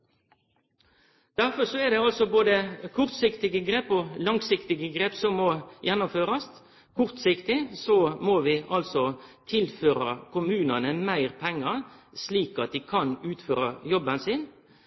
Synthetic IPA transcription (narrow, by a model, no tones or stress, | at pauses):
d̪̥æʁfɔsɔɛd̪ɛɑlsɔboːd̪əkʰʊʁt̪sɪkt̪ɪɡəɡɾeːpoːlɑŋsɪkt̪ɪɡəɡɾeːpsɔmɔjɛnːʊmføːɾɑst̪ | kʰʊʁt̪sɪkt̪ɪsɔmoːʋɪʔɑlsɔt̪ʰɪlføːɾɑ̰kʰʊmʉːnɑnəmæɪʁpʰɛŋːɑsliːkɑt̪̚d̪ɪːkʰɑnʉːt̪føːɾɑjɔbənsɪn